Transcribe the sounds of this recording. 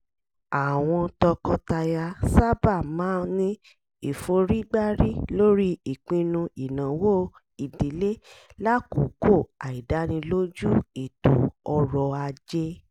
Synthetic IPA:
a˨w̃ɔ̃˧tɔ˧kɔ˦ta˧ja˧sa˦ba˦˨mãː˨˦nĩ˦ | i˨fo˨˧ɾi˦ɡ͡ba˦ɾi˦lo˦ɾi˦i˨k͡pĩ˧nũ˧i˨nã˨wo˦ | i˨di˨˦le˦la˦ku˨˦ko˦˨a˨i˨da˨˦nĩ˧lo˦d͡ʒu˦e˨to̰˨˦ɔ˧ɾɔ˧a˧d͡ʒe˦

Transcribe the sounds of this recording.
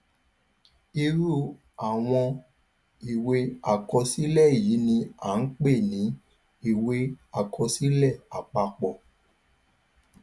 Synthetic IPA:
i˧ɾu˦˨ | a˨w̃ɔ̃˧ | i˨we˧a˦˨kɔ˧si˦lɛ˦˨ji˨˦nĩ˧a˨n̩˦k͡pe˦˨nĩ˨˦ | i˦˨we˧˦a˨kʰɔ˧si˦lɛ˦˨a˨k͡pa˧k͡pɔ˨

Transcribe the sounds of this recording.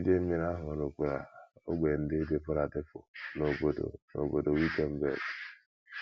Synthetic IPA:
d͡ʒe˦m̩˦mi˦ɾa˦ɦʊ˨ɾo˨kʷu˨ɾa̰˨o̰˦ɡ͡be˨n̩˦dɪ˦dɪ˦pʊ˦ɾa˨dɪ˦pʊ̰˨no˨o˨do̰˨no̰˨bo˨do˨wi˦te˦m̩˦bḛ˨ɡ

